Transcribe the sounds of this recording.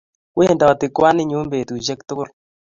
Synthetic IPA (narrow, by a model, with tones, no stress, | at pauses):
we˦˨nda˨ɔ˨tɪ˨kwa˦nɪ˦ɲu˦mbe˨tu˨ʃɛ˦ktʊ˦kʊ˦l